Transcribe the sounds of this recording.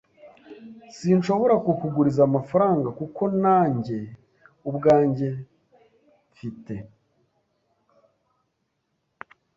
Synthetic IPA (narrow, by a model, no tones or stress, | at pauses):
sinʃo̞βo̞ɾakukuɡuɾizamafaɾaːŋɡakuko̞naːɲɟe̞ | ubɡaːɲɟe̞ | fite̞